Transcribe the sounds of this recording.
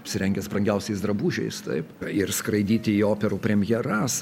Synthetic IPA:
ɐpʲsʲɪɾʲɛŋʲɡʲɛspɾɐŋʲɡʲɛʊsʲɛɪsd̪ɾɐbuːʒʲɛ̰ɪst̪ɐ̰ɪpɪrskɾɐɪd̪ʲiːt̪ʲɪioːpʲɛɾuːpʲɾʲɛmʲjɛɾɐs

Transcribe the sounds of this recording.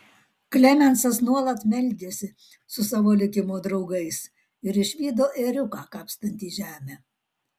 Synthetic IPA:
klʲɛmʲɛnsɐsnuɔlˠɐt̪mʲɛlʲd̪ʲeːsʲɪ | sʊsɑːʋoːlʲɪkʲɪmoːd̪ɾɒʊɡɐɪs | ɪɾɪʃʲʋʲiːd̪oːʔeɾʲʊkɑːkɑːpst̪ɐnʲt̪ʲiːʒʲæːmʲæː

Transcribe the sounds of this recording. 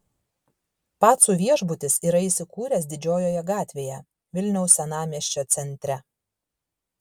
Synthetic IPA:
pɑːt̪suːʋʲiɛʒbʊt̪ʲɪsiːɾɐisʲɪkuːɾʲɛs̬d̪ʲɪd͡ʒʲoːjoːjɛɡɑːt̪ʲʋʲeːjɛ | ʋʲɪlʲnʲɛʊsːʲɛnɑːmʲiɛʃʲt͡ʃʲoːt̪sʲɛnʲt̪ʲɾʲɛ

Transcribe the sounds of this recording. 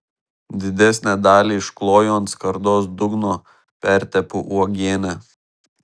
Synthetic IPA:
d̪ʲɪd̪ʲɛsʲnʲæd̪ɑːlʲiːɪʃklˠoːjoːnt̪skɐɾd̪oːs̬d̪ʊɡnoː | pʲæˑɾʲt̪ʲɛpʊʔuɔɡʲeːnʲæ

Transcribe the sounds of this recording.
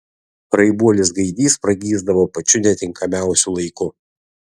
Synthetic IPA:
ɾɐɪbuɔlʲɪsɡɐɪd̪ʲiːspɾɐɡʲiːzd̪ɐʋoːpɐt͡ʃʲʊnʲɛt̪ʲɪŋkʰɐmʲæˑʊsʲulˠɐɪkʊ

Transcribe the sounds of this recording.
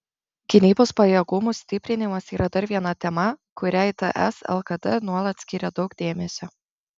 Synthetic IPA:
ɡ̥ʲɪnʲiːboːspɐjɛɡʊmusʲt̪ʲɪpʲɾʲɪnʲɪmɐsiːɾʔɐd̪ɐɾʋʲiɛnɐt̪ʲɛmɐkʊɾʲæˑɪt̪ɛʔɛ̰sɛ̰lˠkɐd̪ɛnuɔlˠɐt̪ʲsʲkʲɪɾʲɛd̪ɒʊɡd̪ʲeːmʲɛsʲo

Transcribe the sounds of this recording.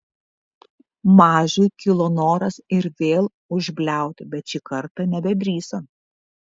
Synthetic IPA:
mɑːʒʲʊjkʲɪlˠonoːɾɐsɪɾʋʲeːlˠ | ʊʒʲbʲlʲæˑʊt̪ʲɪbʲɛt̪t͡ʃʲɪkɐɾt̪ɐnʲɛbʲɛb̪ʲɾʲiːsoː

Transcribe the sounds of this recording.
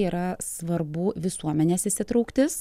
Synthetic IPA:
iːɾɐsʋɐɾbʊʋʲɪsuɔmʲɛnʲeːsɪsʲɪt̪ɾɐʊːkt̪ʲɪs

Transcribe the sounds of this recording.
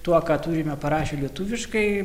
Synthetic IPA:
t̪uɔkɑːt̪uːɾʲɪmʲɛpɐɾɑːʃʲoːlʲiɛt̪uʋʲɪʃkɐɪ

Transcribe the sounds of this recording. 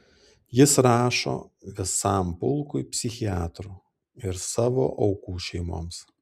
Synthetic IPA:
jɪsɾɑːʃo̰ːʋʲɪsɑˑmpʊlˠkʊɪpʲsʲɪxʲɪaːt̪ɾuː | ɪɾsɑːʋo̰ːʔɐʊkuːʃʲɛɪmo̰ːms

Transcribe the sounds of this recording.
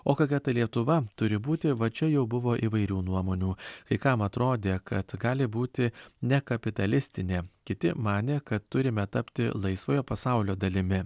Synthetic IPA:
oːkokʲɛt̪ɐɪlʲiɛt̪ʊʋɐt̪ʊɾʲɪbuːt̪ʲɪʋɐt͡ʃʲɛjɛʊbʊʋoːʔiːʋɐɪɾʲuːnuɔmoːnʲuːkɐɪkɐmɐt̪ɾoːd̪ʲeːkʰɐt̪ɡɑːlʲɪbuːt̪ʲɪnʲɛkɐpʲɪt̪ɐlʲɪsʲt̪ʲɪnʲeːkʲɪt̪ʲɪmɑːnʲeːkɐt̪ːʊɾʲɪmʲɛt̪ɐpʲt̪ʲɪ̰lˠɐɪsʋoːjoːpɐsɑˑʊlʲoːd̪ɐlʲɪmʲɪ

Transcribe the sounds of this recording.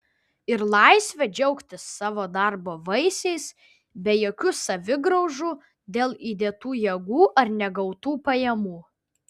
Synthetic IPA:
ɪɾlˠɐˑɪsʲʋʲɛd͡ʒʲɛʊkt̪ʲɪsːɑːʋoːd̪ɑɾboːʋɐɪsʲɛɪs | bʲɛjoːkʲʊsɐʋʲɪɡɾɔʊʒuː | d̪ʲeːlˠiːd̪ʲeːt̪uːjɛɡuːʔɐɾnʲɛɡɐʊt̪uːpɐjɛmuː

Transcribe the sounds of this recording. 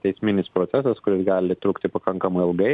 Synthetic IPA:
t̪ʲɛɪsʲmʲɪnʲɪspɾoːt̪sʲæsɐskʊɾʲɪsɡɑːlʲɪt̪ɾuːkt̪ʲɪpɐkɐŋkɐmɐɪɪlˠɡɐɪ

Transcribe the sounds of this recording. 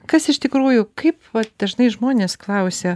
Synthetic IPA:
kɐsɪʃt̪ʲɪkɾuːjʊkɐɪpʋɐt̪d̪̥ɐʒnɐɪʒmoːnʲeːsklˠɐʊsʲeː

